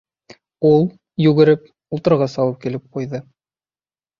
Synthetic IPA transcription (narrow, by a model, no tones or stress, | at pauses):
ulˠ | jʉɡɘ̆ɾɘp̚ | ulˠt̪ɤ̆ɾʁɑsɑw̪ˠɤp̚kilɘp̚qujðɤ